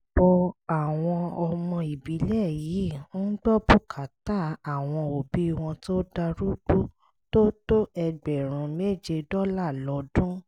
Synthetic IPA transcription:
b̥ɔ˧a˨w̃ɔ̃˧ɔ˧mɔ̃˧i˨bi˨˦lɛ˦˨ji˨˦n̩˦ɡ͡bɔ˦bu˦kʰa˨ta˦˨a˨w̃ɔ̃˧o˨bi˨˦i˦˧w̃ɔ̃˧to˦da˧ɾu˦ɡ͡bu˦ | to˦to˦ɛ˧ɡ͡bɛ˨ɾ̃ũ˨˧˦me˦˨d͡ʒe˧dɔ˦la˦˨lɔ˨˦dũ˦

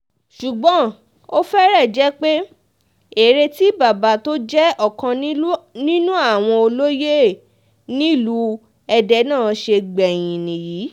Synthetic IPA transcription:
ʃu˨ɡ͡bɔ̃˨˦ | o˦fɛ˦ɾɛ˦˨d͡ʒɛ˨˦k͡pe˦ | e˨ɾe˧ti˦ba˨ba˨˦to˦d͡ʒɛ˦ɔ˦˨kã˧˦nĩ˦nũ˦a˦˨w̃ɔ̃˧o˧lo˦je˦˨ | nĩ˦˨lu˧ | ɛ˧dɛ˧˦nãː˦˨ʃe˧ɡ͡bɛ˨j̃ĩ˨nĩ˨jiː˨˦

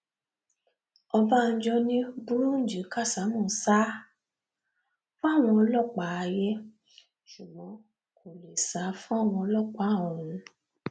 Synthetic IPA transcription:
ɔ˧ba˦˧n̩˦d͡ʒɔ˧nĩ˦bu˦ɾũ˦n̩˦˨d͡ʒi˨˦ka˦˨sa˨˦mɔ̃˦˨sa˦ | fũ˦a˦˨w̃ɔ̃˧lɔ˦˨k͡pa˨˦˧jɛ˦ | ʃu˨ɡ͡bɔ̃˨˦ | kʰo˨le˨sa˨˦fũ˦a˦˨w̃ɔ̃˧ɔ˧lɔ˦˨k͡pa˨˦˨ɔ̃˨ũ˨˦

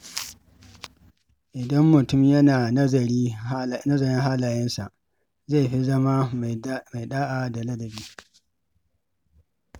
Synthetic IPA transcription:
ʔɪ˨dɐ˦mːʊ˨tʊ˦mjɐ˦naː˨nɐ˦zɐ˨ɾiː˦˨nɐ˦zɐ˨ɾɪ˦ɦaː˦laː˨jɐ˦nsa̰˨ʔ | za˦˨jɸi˦zɐ˦ma˦ma˨jɗaː˦ʔa˨da˨lɐ˦lɐ˨biː˦

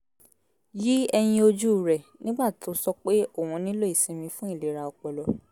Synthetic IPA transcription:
ji˦ɛ˧j̃ĩ˧o˧d͡ʒu˦˨ɾɛ˨nĩ˦ɡ͡ba˦˨tʰo˨˦sɔ˦k͡pe˦o˦˨w̃ɔ̃˧nĩ˦lo˦i˦˨sĩ˨˦mĩ˧fũ˦i˦˨le˨˦ɾa˧ɔ˧˨k͡pɔ˨lɔ˨

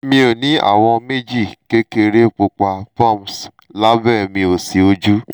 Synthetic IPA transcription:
mĩ˧o˨nĩ˨˦a̰˨wɔ̃˧me˦˨d͡ʒi˦˨ke˦ke˧ɾe˦˨k͡po˧k͡pa˧fa˦˨m˨s | la˦bɛ˦˨mĩ˧o˨si˨o˧d͡ʒu˦

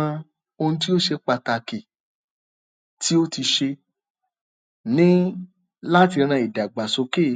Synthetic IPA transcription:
ã˧ | o˧nũ˧t̬i˦o˦ʃe˧k͡pa˧ta˧ki˨ | ti˦o˦ti˧ʃe˧ | nĩ˦ | la˦ti˧ɾ̃ã˧˨i˨da˨ɡ͡ba˨so˧˦ke˦˨

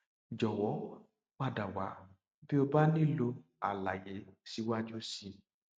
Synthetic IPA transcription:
d͡ʒɔ˨wɔ˨˦ | k͡pa˦˧˨da˨wa̰˨˦ | bi˦o˧ba˦nĩ˦lo˧ | a˨la˨je˨˦si˨˧˦wa˦d͡ʒu˦si˧

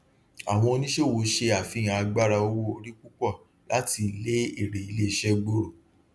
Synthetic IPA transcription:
a̰˨w̃ɔ̃˧o˧nĩ˦ʃe˦˨wo˨˦ʃe˧a˨fĩ˨˧˦a˧ɡ͡ba˦ɾa˧o˧wo˦o˧ɾi˦k͡pu˦k͡pɔ˦˨ | la˨˦ti˧le˦e˦˨ɾe˨i˧le˦˨ʃɛ˦ɡ͡bo˦ɾo˨

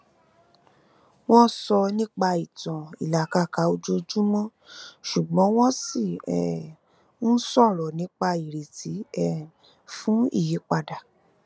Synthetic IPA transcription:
w̃ɔ̃˦sɔ˧nĩ˦k͡pa˧i˨tɔ̃˨i˨la˨ka˧ka˨˦o˧d͡ʒo˧˦d͡ʒu˦mɔ̃˦ | ʃu˨ɡ͡bɔ̃˨˦w̃ɔ̃˦si˦˨ɛ˨ | n̩˦sɔ˦˨ɾɔ˨nĩ˨˦k͡pa˧i˨ɾe˨ti˨˦ɛ˨ | fũ˨˦ḭ˦˨ji˨˦k͡pa˧da˨

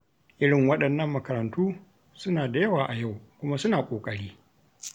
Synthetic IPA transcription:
ʔɪ˦ɽɪ˨ŋwɐ˦ɗɐ˨nːɐ˦˨mːɐ˨kɐ˨ɾɐ˨ntuː˦ | sʊ˦naː˨da˨jɐ˦waː˨ʔa˨ja˦˨wkʷʊ˦ma˦sʊ˦naː˨kʷʼoː˨kʼɐ˦ɽiː˦

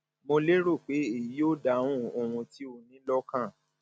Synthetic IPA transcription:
mo˧le˦ɾo˦˨k͡pe˨˦e˦˨ji˨˦o˦˨da˧˨wũ˦o˧˨w̃ũ˧ti˦o˧nĩ˨˦lɔ˦kã˦˨

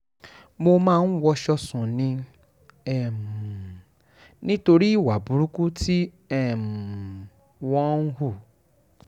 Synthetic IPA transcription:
mo˧mãː˦˧˦n̩˦wɔ˧ʃɔ˧sũ˨nĩ˧ | ɛ˨m˨ | nĩ˦to˧ɾi˦˨wa˨bu˨˦ɾu˦ku˦ti˦ | ɛ˦˨m˨ | wɔ̃˦n̩˦ɦu˦˨

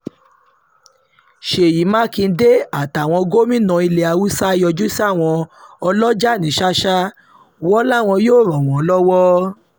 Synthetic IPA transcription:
ʃe˨ji˨˦mã˦kĩ˧˦de˦a˦˨ta˨w̃ɔ̃˧ɡo˦mĩ˦nã˧i˧le˧a˧wu˦sa˦i˧jɔ˧d͡ʒu˦si˦a˦˨w̃ɔ̃˧ɔ˧lɔ˦d͡ʒa˦˨nĩ˨˦ʃa˦ʃa˦ | wɔ˦la˦˨w̃ɔ̃˧joː˦˨ɾɔ̃˨w̃ɔ̃˨˦lɔ˦wɔ˦

